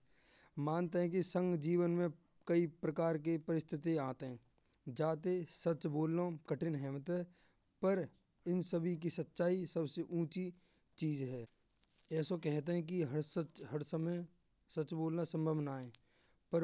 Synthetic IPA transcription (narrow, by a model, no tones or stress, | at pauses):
mãːnt̪eɦɛ̃k̬isə̃ŋɡd͡ʒiːʋənmẽ | kɐipɾəkaːɾk̬epəɾɪst̪ʰɪt̪iaːt̪eɦɛ̃ | d͡ʒaːt̪̬esət͡ʃboːlnakəʈʰɪnɦɛːmət̪ɦɛː | pəɾ | ɪnsəbʱik̬isət̪ːʃaːisəbseʔũːt͡ʃi | t͡ʃiːzɦɛː | ɛːsokɛɦt̪̬eɦɛ̃k̬iɦsəɦəɾsəməj | sɐt͡ʃboːlnasə̃mbʱəʋnaːẽː | pəɾ